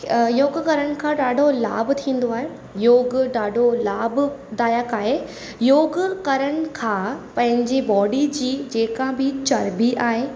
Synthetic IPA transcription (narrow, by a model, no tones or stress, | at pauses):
joːɡkɐɾəɽ̃ɪ̆kʰãːɗaːɖʱola̰ːbt̪ʰĩːn̆d̪oaːɦe | joːɡɖaːɖʱolaːbd̪aːjəkaːɦe | joːɡkɐɾəɽ̃ɪ̆kʰãːpɐ̃ɦɪ̃ɲd͡ʑibɔːɖid͡ʑiːd͡ʑeːkãbɪt͡ɕɐɾbiʔaːɦeː